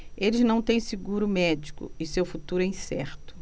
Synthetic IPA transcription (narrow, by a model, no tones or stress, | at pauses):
elɪznɐ̃w̃t̪ẽj̃siɡuɾʊmɛd͡ʒikʊ̰ɪsewfut̪uɾʊɛĩsɛɾt̪ʊ̥